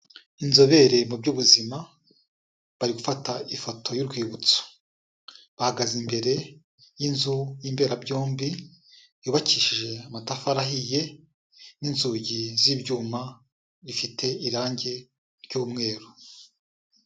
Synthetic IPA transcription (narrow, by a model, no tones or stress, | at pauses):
inzo̞βe̞ɾe̞mubɟuβuzima | βaɾiɡufataifo̞tʰo̞juɾɡwiːβut͡so̥ | βahaɡazimbe̞ɾe̞ | jinzujiːmbe̞ːɾabɟoːmbi | juːβaciːʃiʒe̞amatafaɾaɦije̞ | ninzuɟiziːbɟuːma | βifitʰe̞iɾaːɲɟe̞ | ɾɟuːmŋe̞ːɾu